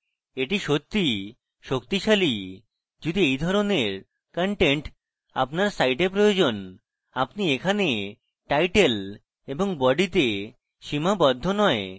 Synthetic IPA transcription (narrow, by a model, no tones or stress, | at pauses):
eʈiʃot̪ːi | ʃokt̪iʃali | d͡ʑud̪iejd̪ʱɔɾoneɾ | kɔɳʈeɳʈ | a̰pnaɾsajʈep̬ɾojod͡ʑon | apniekʰane | ʈajʈel | eboŋbɔɖit̪e | ʃimabɔd̪ʱːonɔe